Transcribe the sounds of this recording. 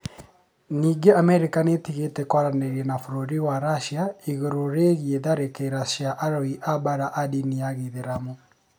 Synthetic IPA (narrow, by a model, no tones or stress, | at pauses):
niːɡeamɛɾekanetiɣetɛkwaɾaneɾiɛnafoɾoɾiwaɾaʃiaiɣoɾoɾeɣieðaɾekeɾaʃjaʔaɾoiʔabaɾaʔadiniaɣiðeɾamo